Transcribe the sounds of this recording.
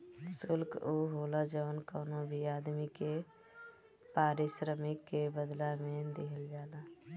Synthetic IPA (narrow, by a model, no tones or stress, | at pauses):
sʊlkuɦoːlad͡ʒəʋənkɔːnõbʱiaːd̪mike | paːɾɪʃɾəmɪkːebəd̪lamẽd̪ɪɦəld͡ʒaːla